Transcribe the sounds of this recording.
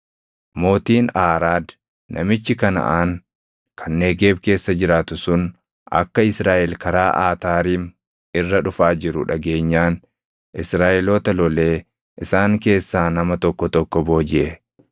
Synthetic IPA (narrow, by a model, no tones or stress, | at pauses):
mo̞ːt̪iːnaːɾaːd̪ | nʔɐ̰mɪt͡ʃːɪkɐnɐ̰ʔaːŋ | kʰɐnːe̞ːɡe̞ːbke̞ːsːɐd͡ʒɪɾaːt̪ʊsʊn | ʔɐ̰kːɐɪsɾaːʔɛlkɐɾaːʔaːt̪aːɾiːm | ɪrːɐᶑʊfaːd͡ʒɪɾʊᶑɐɡe̞ːɲːaːn | ʔɪsɾaːʔɛloːt̪ɐlɔle̞ː | ʔɪsaːŋke̞ːsːaːnɐmɐt̪ɔkːɔt̪ɔkːɔbo̞ːd͡ʒɪʔɛ